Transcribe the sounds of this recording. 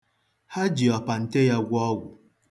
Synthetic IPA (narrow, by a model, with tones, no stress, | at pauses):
ha˦d͡ʒi˨ɔ˨pa˨n̩˨te˦ja˦ɡʷʊ˦ɔ˦ɡʷʊ˨